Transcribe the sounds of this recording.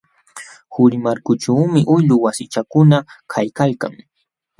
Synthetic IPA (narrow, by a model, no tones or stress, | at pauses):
hʊɾɪmaɾkʊʈ͡ʂaːmɪʔʊjʎʊwasɪt͡ʃakʊnakʰajkalka̰ŋ